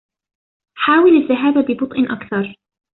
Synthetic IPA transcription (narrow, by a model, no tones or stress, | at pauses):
ħaːwɪlaðːaɦaːbabɪbʊt̪ˤʔɪʔakθɑɾˤ